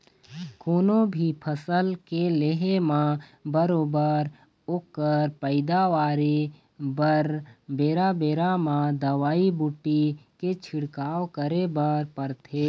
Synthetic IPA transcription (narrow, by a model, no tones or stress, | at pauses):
koːnobʱipʰəsəlkeleɦemãbəɾoːbəɾ | oːkːəɾpəɪd̪aʋaːɾe | bəɾbeːɾabeːɾamãd̪əʋaːibuʈːiket͡ʃʰɪɽkaːwkəɾebəɾpəɾt̪ʰeː